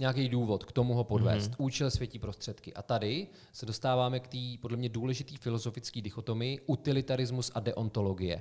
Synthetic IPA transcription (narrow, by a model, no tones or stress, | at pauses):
ɲɛak̬ɛjduːvo̞t̪kt̪o̞muɦo̞po̞dvɛ̰ːst̪ʔuːt͡ʃɛlsvjɛcipɾo̞st̪r̥ɛt̪kɪʔa̰t̪adɪ | sɛdo̞st̪aːvaːmɛkt̪iːpo̞dlɛmɲɛduːlɛʒɪt̪iːfɪlo̞zo̞fɪt͡skiːdɪxo̞t̪o̞mɪjɪʔut̪ɪlɪt̪aɾɪzmusʔadɛʔo̞nt̪o̞lo̞ɡɪjɛ̰